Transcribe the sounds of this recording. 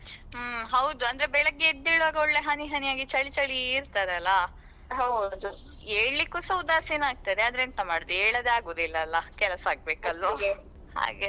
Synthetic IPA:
ɦɐwd̪uɐnd̪ɐɾebɛɭɐɡːeed̪ːiɭʋaːɡɐoɭːe̞ɦɐniɦɐnijaːɡit͡ʃɐɭit͡ʃɐɭiːɾt̪aːɾeɐlːɐ | ɦɐwd̪u | eːɭlikːusɐwud̪aːseːnaːɡ̚t̪ad̪eaːd̪ɐɾeːnt̪ɐmaːɽd̪ueːɭɐd̪eaːɡoːd̪ilːɐːlːɐkɛlɐsaːɡ̚be̞ːkɐlʋa | ha̰ːɡe

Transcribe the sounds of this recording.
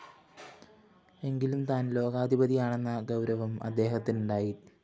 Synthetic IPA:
e̞ŋɡilumt̪aːnlo̞ːɣaːd̪ʱibɐðijaːɳe̞nːɐɡɐwɾɐʋɐmɐ̰d̪ːe̞ːɦɐt̪ːinuɳɖaːji

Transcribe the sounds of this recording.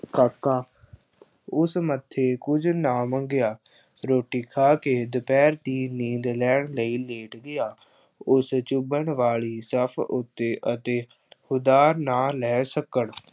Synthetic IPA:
kaːkːaː | ʊsmət̪ʰːeːkʊd͡ʒnaːmə̃ŋɡɪjaː | ɾoːʈiːkʰaːkeːd̪əpɛːɾt̪iːnĩːd̪lɛːɳləiːleːʈɡɪjaː | ʊst͡ʃʊbəɳʋaːliːsəpʰʊt̪ːeːʔət̪eː | hʊd̪aːɾnaːlɛːsəkəɳ

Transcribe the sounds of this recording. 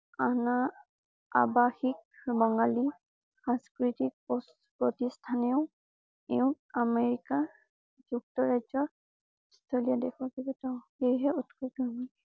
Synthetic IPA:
ana | a̰baxik̚bɔŋɡali | xãskɹitik̚ɔ | pɹɔtistʰanɛʊ | eʊ̃ | ameɹika | d͡ʒuk̚tɔɹazɔ | stʰeliadɛkʰakibɛtaʊhejɦɛutkʰɔkamɔj

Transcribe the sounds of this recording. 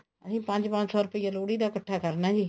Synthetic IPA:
əsĩːpə̃ɲd͡ʒpə̃ɲt͡ʃsɔːɾʊpijaloːɽiːd̪aːkəʈʰːaːkəɾnaːd͡ʒiː

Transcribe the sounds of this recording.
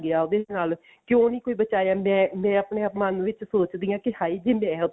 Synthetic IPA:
ɡɪaːoːd̪eːnaːl | kjõːnĩːkoːiːbət͡ʃaːjaːmɛ̃ːmɛ̃ːəpneːəpmənʋɪt͡ʃsoːt͡ʃd̪ĩːãːkɪhaːiːd͡ʒeːmɛ̃ːʊ

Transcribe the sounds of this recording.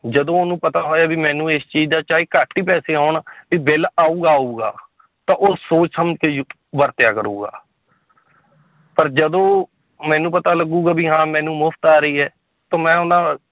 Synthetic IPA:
d͡ʒəd̪õːonũːpət̪aːɦoːaːbiːmɛ̃ːnũːeːst͡ʃiːd͡ʒd̪aːt͡ʃaːiːkaːʈːiːpɛːseːaːɳbiːbɪlaːũːɡaːuːɡa̰ː | t̪ãːʔoːsoːt͡ʃsəməd͡ʒkeː | ʋəɾt̪ɪjaːkəɾũːɡa̰ː | pəɾd͡ʒəd̪õː | mɛ̃ːnũːpət̪aːləɡũːɡaːbiːɦãːmɛ̃ːnũːmʊfʰt̪aːɾəiːɦɛː | t̪õːmɛ̃ːʊnãː

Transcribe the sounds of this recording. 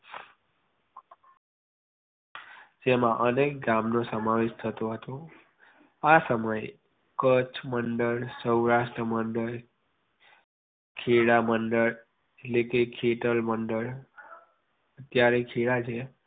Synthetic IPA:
d͡ʒemãʔənek̚ɡamnosəmaʋeʃt̪ʰət̪oɦət̪o | asəməj | kət͡ʃʰməɳɖəɭsəwɾaʃʈɾəməɳɖəɭ | kʰeɭaməɳɖəɭ | etlekekʰeʈəlməɳɖəɭ | ət̪jaɾekʰiɭat͡ʃʰe

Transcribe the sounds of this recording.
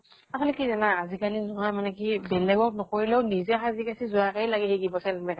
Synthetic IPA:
atʰɔlikizanaːzikanizuɦamanɛkibɛlɛɡɔk̚nɔkoɹilɛʊnizɛxazikasizuakailaɡɛɦeɡibɔsɛlmɛk

